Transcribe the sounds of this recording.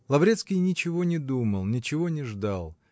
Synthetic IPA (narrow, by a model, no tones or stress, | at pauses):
lˠɐvɾʲet̪skʲɪjnʲɪt͡ɕɪvo̞nʲɪd̪uməlˠnʲɪt͡ɕɪvo̞nʲɪʐd̪alˠ